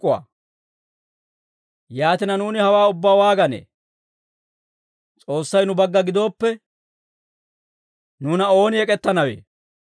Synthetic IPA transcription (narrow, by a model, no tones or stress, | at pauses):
ʊa̰ː | jaːt̪ɪnɐnuːnɪhɐwaːʊbːaːwaːɡɐnḛː | t͡sʼo̞ːsːɐjnʊbɐɡːɐɡɪd̪o̞ːpːɛ | nuːnɐo̞ːnɪɛkʼɛt̪ːɐnɐwḛː